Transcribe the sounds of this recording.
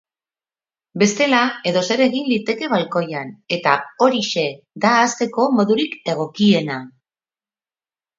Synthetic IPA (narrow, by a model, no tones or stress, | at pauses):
be̞st̪e̞lae̞ðo̞se̞ɾe̞ɣinlit̪e̞ke̞βalko̞jane̞t̪ao̞ɾiʃe̞ | d̪aːst̪e̞ko̞mo̞ðuɾike̞ɣ̞o̞kie̞na